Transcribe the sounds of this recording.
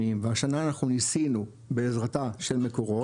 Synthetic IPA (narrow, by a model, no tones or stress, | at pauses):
imveaʃanaːnaχnunisinu | be̞ːzʁataʃe̞lme̞ko̞ʁo̞